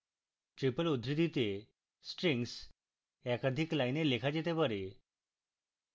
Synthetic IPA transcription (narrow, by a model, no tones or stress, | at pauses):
ʈɾipəlud̪ʱɾid̪it̪e | sʈɾiŋɡs | ɛkad̪ʱiklajnelekʰad͡ʑet̪ebəɾe